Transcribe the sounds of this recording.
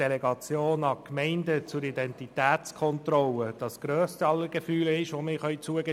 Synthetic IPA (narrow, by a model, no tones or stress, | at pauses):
elɛɡɑt͡sjoːnɑkmɛɪndət͡sʊɾidɛntitæːtt͡skʰɔntrɔləd̥ɑsɡ̥ɾœːstəɑlːəɾɡ̥əfyːlɪʃʋomɪːχœʏt͡suəɡə